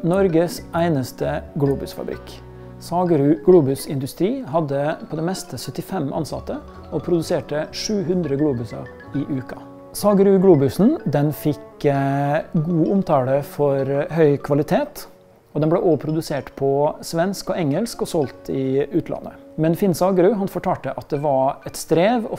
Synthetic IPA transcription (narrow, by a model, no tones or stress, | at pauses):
nɔɾɡəsæɪnəst̪əɡluːbʉsfɑ̰bɾɪ̰k | sɑːɡəɾʉɡluːbʉsɪnd̪ʉst̪ɾiːɦɑd̪ːəpʰɔd̪ɛmɛst̪əsœt̪ːɪfɛmʔɑ̰nsɑ̰t̪ːə | ɔpʰɾʊd̪ʉseːʈəʂʉːɦʉnd̪ɾəɡluːbʉsɑ̰ɾ | ɪʔʉːkɑ | sɑːɡəɾʉɡluːbʉsn̩d̪ɛnfɪk | ɡuːʔʊmt̪ʰɑːləfɔɾɦœʏkʰʋɑlɪt̪ʰeːt̪ | ɔd̪ɛnblɛʔoːpʰɾʊd̪ʉseːʈpʰɔsʋɛnskɔɛŋːəlskɔsɔlt̪ʰɪʉːt̪ʰlɑ̰nːə̰mɛnfɪnsɑːɡəɾʉɦɑnfɔʈʰɑːʈəʔɑt̪̚d̪ɛʋɑɾɛt̪st̪ɾeːʋɔ